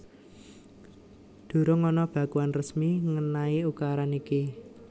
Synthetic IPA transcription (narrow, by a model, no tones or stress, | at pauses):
d̪̥o̤ɾoŋɔnɔb̥ä̤kuanrəsmiŋənaiukaɾaniki